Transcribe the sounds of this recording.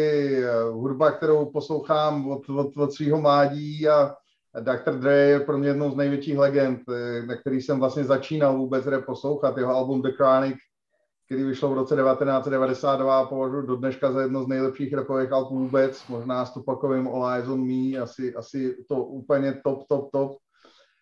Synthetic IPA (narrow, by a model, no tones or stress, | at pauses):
ɪ | ɦudbak̚t̪ɛɾowposlo̞wxaːmvot̪vot̪vot̪sviːɦo̞mlaːɟiːa | dakt̪ɾd̪ɾɛjɛpɾomɲɛjɛdnowznɛjvjɛt͡ʃiːxlɛɡɛnt̪nakt̪ɛɾiːsɛmvlastɲɛzat͡ʃiːnalvuːbɛt͡sɦɾɛpo̞slowxat̪jɛɦoalbumdɛkɾaːnɪk | k̪ɛɾiːvɪʃlovɾot͡sɛdɛvat̪ɛnaːtt͡sɛddɛvadɛsaːd̪dvapo̞vaʒujudodnɛʃkazajɛdnowznɛjlɛpʃiːxɾɛpovɛːxalpvuːbɛt͡smo̞ʒnaːst̪opakovɪmolajzonmiːasɪʔasɪt̪oʔuːpl̩ɲɛt̪opt̪op̚t̪op